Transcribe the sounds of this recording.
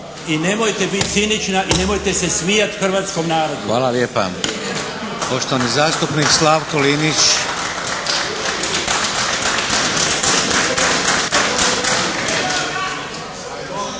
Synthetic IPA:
ine̞mojt̪e̞bit̪̚ʲsinit͡ʃnaʔine̞mo̞jt̪e̞se̞smijat̪xr̩ʋaːt̪sko̞mnaːɾo̞d̪uʋaːlaljeːpa̰ | poʃt̪oanizaːst̪upnikslaːʋkolinit͡ʃ

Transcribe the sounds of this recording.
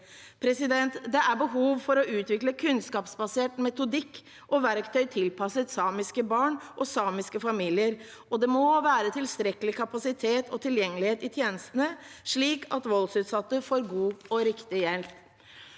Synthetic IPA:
pʰɾɛsɪd̪ɛnt̪d̪ɛʔæɾbəɦuːʋfɔɾɔʔʉːt̪ʋɪkləkʰʉnskɑːpsbɑseːʈmɛt̪ʊd̪ɪkː | ʔɔʋæɾkt̪ʰœʏt̪ʰɪlpʰɑsət̪sɑːmɪskəbɑːɳʔɔsɑːmɪskəfɑmiːlɪəɾ | ɔd̪ɛmɔʋæːɾət̪ʰɪlst̪ɾɛkəlɪkʰɑpɑsɪt̪ʰeːt̪ɔt̪ʰɪljɛŋːəlɪheːt̪ɪt̪ʰjeːnəst̪ənəʂɭiːkʰɑt̪ʋɔlsʉːt̪sɑt̪ːəfoːɾɡuːɔɾɪkt̪ɪjɛlp

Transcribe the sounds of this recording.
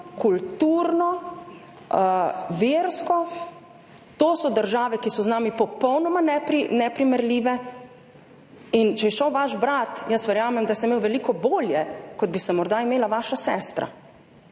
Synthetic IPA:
kult̪uːɾnɔ | ʋeɾskɔ | t̪oːsɔd̪əɾʒaːʋɛkisɔznaːmipɔpɔwnɔmanɛpɾinɛpɾimɛɾliːʋɛ | int͡ʃɛjɛʃəwʋaʃbɾat̪jəsʋɛɾjaːmɛmd̪asɛmewʋɛliːkɔboːljɛkɔd̪̚bisɛmɔɾd̪aimeːlaʋaːʃasɛːst̪ɾa̰

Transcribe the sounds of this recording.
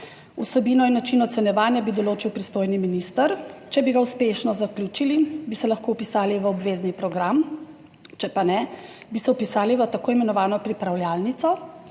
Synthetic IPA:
usɛbiːnɔinːat͡ʃiːnɔt̪sɛnjɛʋaːnjabid̪ɔloːt͡ʃiwpɾist̪oːjniminist̪əɾt͡ʃɛbiɡauspeʃnɔzaklʲjuːt͡ʃilibisɛlaxkoupisaːliʋəɔbʋeːznipɾɔɡɾam | t͡ʃɛpanɛ | bisɛupisaːliʋət̪akoːimɛnɔʋaːnɔpɾipɾawljalnit̪sɔ

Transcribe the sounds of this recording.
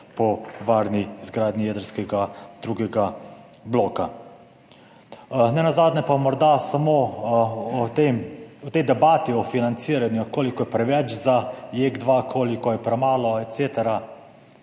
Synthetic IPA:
pɔʋaːɾnizɡɾaːd̪nijɛːd̪əɾskɛɡad̪̥ɾuːɡɛɡa | bloːka | nɛnazaːd̪nɛpamɔɾd̪asamo | ɔt̪emɔt̪ɛjd̪ɛbaːt̪iɔfinant̪siɾanjukoːlikɔjɛpɾɛʋɛt͡ʃzajeɡd̪ʋakʰoːlikɔjɛpɾɛmaːlɔɛt̪seːt̪ɛɾa

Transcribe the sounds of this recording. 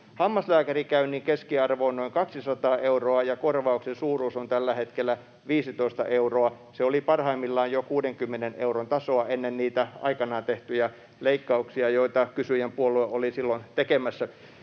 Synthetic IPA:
hɑmːɑslæːkærikæyniːŋkeskiɑrʋoːnnoiŋkɑksisɑt̪ɑːʔeuroɑjɑkorʋɑuksensuːruːsont̪ælːæhet̪kelːˑæ | ʋiːsit̪oist̪ɑ̰ʔeuroɑ | seolipɑrhɑimːilːɑːjjokuːdeŋkymːeneneuront̪ɑsoɑenːenniːt̪æɑ̰ikɑnɑˑːnt̪eht̪yjɑ | leikːɑuksiɑjoit̪ɑkysyjempuolueʔolisilːont̪ekemæsːæ

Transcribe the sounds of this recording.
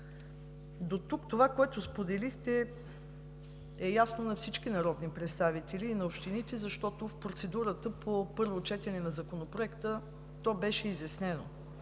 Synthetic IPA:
d̪ot̪ukt̪ovakoɛt̪ʊspod̪ɛlixt̪ɛ | ɛjasnonɐfsit͡ʃkinɐɾɔd̪nipɾɛt̪st̪avit̪ɛliːnɐopʃt̪init̪ɛzɐʃt̪ɔt̪ofpɾot̪sɛd̪uɾət̪əpʰopɤɾvot͡ʃɛt̪ɛnɛnɐzɐkonopɾoɛkt̪ə | t̪ɔbɛʃɛizjɐsnɛno̰

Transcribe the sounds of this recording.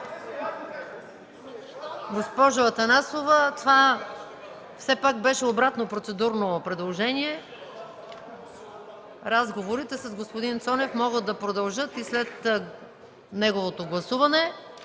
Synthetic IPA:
ɡospɔʒoɐt̪ɐnasovɐt̪ova | fsɛpakbɛʃɛobɾat̪nopɾot̪sɛd̪uɾnopɾɛd̪lˠoʒɛniɛ | ɾazɡovoɾit̪ɛsɐzɡospod̪int̪sɔnɛfmɔɡəd̪ːɐpɾod̪ɐlˠʒɤt̪islɛt̪ | nɛɡovot̪oɡlˠɐsuvɐnɛ

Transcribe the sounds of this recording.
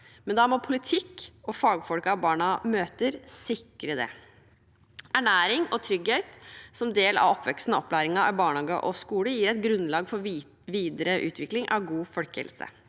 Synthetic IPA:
mɛnd̪ɑːmɔpʰʊlɪt̪ʰɪkːɔfɑːɡfɔlkɑʋbɑːɳɑmøːt̪əɾsɪkːɾəd̪ɛ̰ | æɳæːɾɪŋɔt̪ʰɾʏɡheːt̪sɔmd̪eːlɑ̰ʋɔpːʋɛkst̪nəɔpːlæːɾɪŋɑɑbɑːɳɑːɡəʔɔskuːləjiːɾɛɪɡɾʉnlɑːɡfɔɾ | ʋiːd̪əɾəʔʉ̰ːt̪ʰʋɪklɪŋʔɑ̰ʋɡuːfœlkə̰lsə̰

